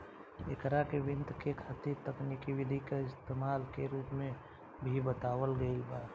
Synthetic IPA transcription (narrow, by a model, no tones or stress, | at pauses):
ɪkɾakeʋɪ̃nt̪kekʰaːt̪it̪ɐknikiʋɪd̪ʱikaɪst̪eːmaːlkeɾuːpmẽ | bʱibət̪aːwəlɡəilbaːɾ